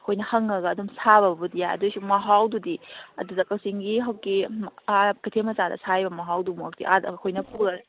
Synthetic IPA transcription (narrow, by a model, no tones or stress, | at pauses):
ɐkʰojnɐhɐŋɐɡɐːdumsaβɐbbudijajɐ̰dujsumɐɦawdudiɐ̰dudɐkɐwsiŋɡiɦɐwkimkɐjtʰemɐsadɐ̰sajbɐmɐɦawdumuɐk̚tḭʔadkʰojnɐpʰuɾɐɐ